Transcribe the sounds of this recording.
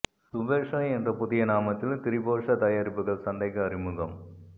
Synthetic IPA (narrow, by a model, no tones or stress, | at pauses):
sʊʋeːʂɐɛndrɐpʊðɪjɐnaːmɐt̪ːɪlt̪ɪɾɪboːʂɐt̪ɐjaːɾɪpːɯɣɐɭsɐnd̪ɐɪkːɐɐɾɪmɯɣɐm